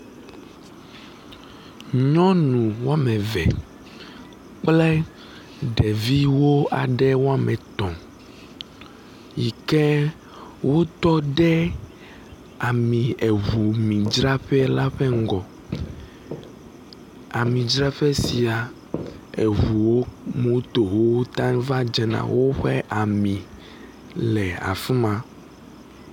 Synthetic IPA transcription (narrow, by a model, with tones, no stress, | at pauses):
ɲɔ̃˦nũ˨wo˦a˦mɛ̃˨vɛ̰˨ | k͡plɛ˦ | ɖɛ˨vi˦wo˦a˨ɖɛ˦wo˦a˦mɛ̃˨t̪ɔ̃˨ | ji˨kɛ˦ | wʔo˦t̪ɔ˦ɖɛ˦ | a˨mĩ˨ɛ˨βu˨mĩ˨d͡ʒɾa˦ɸɛ˦la˦ɸɛ˦ŋ˦ɡɔ˨ | a˨mĩ˨d͡ʒɾa˦ɸɛ˦si˨a˨ | e˨βu˨wo˦mũ˦t̪o˨wo˦wo˦t̪ã˦va˦d͡ʒɛ˦nã̰˨wo˦ɸɛ˦ʔa˨mĩ˨ | lɛ˨a̰˨fi˦mã˦